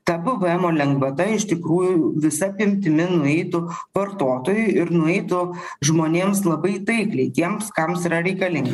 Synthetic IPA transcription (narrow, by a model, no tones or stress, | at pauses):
t̪ɐbʊʋɨɛmoːlʲɛŋɡʋɐt̪ɐɪʃt̪ʲɪkɾuːjʊʋʲɪsɐpʲɪmʲt̪ʲɪmʲɪnʊɛɪt̪ʊʋɐrt̪oːt̪oːjʊɪɾnʊɛɪt̪ʊ | ʒmoːnʲeːmslˠɐbɐɪt̪ɐɪklʲɛɪt̪ʲiɛmskɐmsiːɾɐɾʲɛɪkɐlʲɪŋɡɐ